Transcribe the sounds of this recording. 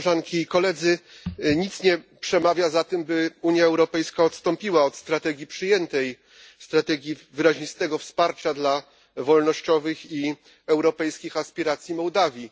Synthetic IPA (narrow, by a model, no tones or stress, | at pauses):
ʐaŋkʲiːkɔlɛd̪zɘɲit̪sɲɛpʂɛmavʲjazat̪ɘmbɘuɲjaɛwɾɔpɛjskaɔt̪st̪ɔmpʲiwaɔt̪st̪ɾat̪ɛɡʲipʂɘjɛnt̪ɛj | st̪ɾat̪ɛɡʲjivɘɾaʑɲist̪ɛɡɔfspaɾt͡ɕad̪la | vɔlnɔɕt͡ɕɔvɘxi | ɛwɾɔpɛjskʲixaspʲiɾat̪sʲjimɔwd̪avʲji